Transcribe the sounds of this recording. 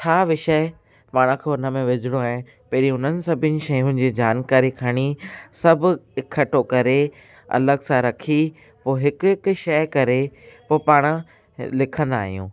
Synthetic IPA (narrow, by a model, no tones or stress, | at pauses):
t͡ɕʰaːʋɪʃəɪ | paːɽ̃ə̃kʰeʊnə̆mẽʋɪd͡ʑʱɪɽoaːɦɪ̃n | pɐɾiʊnənɪ̆sɐbʱɪnɪ̆ʃɐjʊ̃nɪ̆d͡ʑiːd͡ʑaːnkaːɾikʰaːɽ̃isɐbʱʊ̆ɪkʰːɐʈokɐɾe | ɐ̰ləɡsãɾɐkʰi | poːɦɪkʊkʃɐjkɐɾepoːpaːɽ̃ə̆ | lɪkʰə̃nd̪a̰ːɦijṵ̃ː